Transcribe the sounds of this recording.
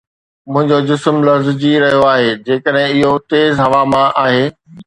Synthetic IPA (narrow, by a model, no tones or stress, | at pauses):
mʊ̃ɦɪ̃ɲd͡ʑod͡ʑɪsmlɐfzd͡ʑiɾɐɦijoaːɦeːd͡ʑeːkəɗɦɪ̃ɪɦot̪eːzɦɐʋamãʔaːɦeː